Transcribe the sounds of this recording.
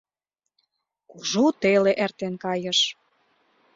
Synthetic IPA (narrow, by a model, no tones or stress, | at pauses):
kuʒut̪eleʔert̪enkɑjə̆ʃ